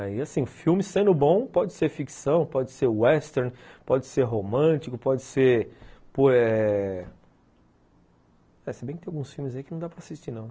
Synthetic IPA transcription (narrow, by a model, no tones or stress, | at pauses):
aiasĩʊfiwmɪsẽnd̪ʊbõw̃pɔd͡ʒɪseɾfiksɐ̃w̃pɔd͡ʒɪseɾɛst̪eɾnpɔd͡ʒɪseɾɦomɐ̃t͡ʃikʊpɔd͡ʒɪseɾpoɛ | ɛsebẽkɪt̪ẽaɡũsfiwmɪzaikɪnɐ̃w̃d̪apɾɐasist͡ʃinɐ̃w̃